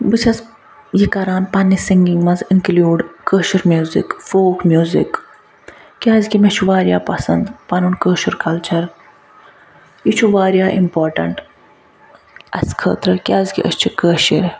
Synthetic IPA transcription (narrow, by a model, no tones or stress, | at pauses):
bɨt͡ʃʰɐz | jikɐɾaːnpɐnːisiŋɡiŋɡmɐzinkluːɖkəːʃɐɾmʲjuːzḭkfoːkmjuːzḭk | kʲaːzkimet͡ʃʰuʋaːɾʲijaːpɐsɐnd̪pɐnunkəːʃɐɾkɐlt͡ʃʰɐɾ | jit͡ʃʰuʋaːɾjaːʔimpoːɾʈɐ̰ɳʈ | ɐ̰skʰə̰ːt̪ɾɐkʲjaːzkḭʔə̰ʃt͡ʃʰikəːʃḭɾ